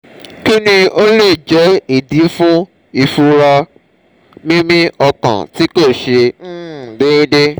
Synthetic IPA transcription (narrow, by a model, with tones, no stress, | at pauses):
ki˦nĩ˧o˦le˦˨d͡ʒɛ˨˦i˦˨dĩ˨˦fũ˦ | i˧˨fu˧ɾa˧ | mĩ˦mĩ˦ɔ˧kã̰˨ti˨˦ko˦˨ʃẽ˧˦˨de˨˦ĩ˦de˦